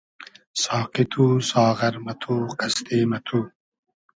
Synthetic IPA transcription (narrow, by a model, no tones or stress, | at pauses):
sɑːqit̪ʰuːsɑːʁɐɾmɐt̪ʰuːqɐst̪eːmɐt̪ʰu